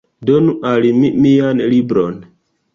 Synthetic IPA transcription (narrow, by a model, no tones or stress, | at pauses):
donuʔalimimijanlibɾon